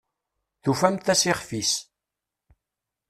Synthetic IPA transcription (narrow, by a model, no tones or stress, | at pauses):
θufæmt̪æsiχfis